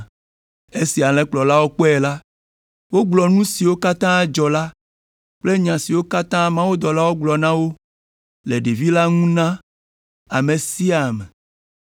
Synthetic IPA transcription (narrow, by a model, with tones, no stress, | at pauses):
e˦si˨a˨lɛ̃˦k͡plɔ˨la˦wo˦k͡pɔ˦ɛ˨la˦ | wo˦ɡ͡blɔ˨nũ˦si˨wo˦ka˦t̪ã˦d͡ʒɔ˨la˦ | k͡ple˦ɲã˨si˨wo˦ka˦t̪ã˦mã˦wu˦d̪ɔ˨la˦wo˦ɡ͡blɔ˨nã˦wo˦ | le˨ɖe˨vi˦la˦ŋũ˦nã˦ | a˨mẽ˨si˦a˨mẽ˨